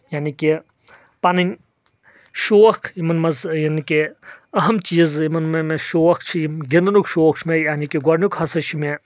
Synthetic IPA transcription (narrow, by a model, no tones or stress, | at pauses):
janiki | pɐninʲ | ʃoːɐkʰimɐnmɐzjanikiɐɦɐmt͡ʃiːzimɐnmemeʃoɐkʰt͡ʃʰimɡʲind̪nukʃoːkt͡ʃʰmejaːnikiɡɐɾnʲukhɐsɐt͡ʃʰime